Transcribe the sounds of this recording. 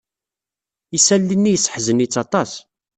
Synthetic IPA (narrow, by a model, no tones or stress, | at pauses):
isælːinːijəsə̥ħzənit͡sːɑt̪ˤɑs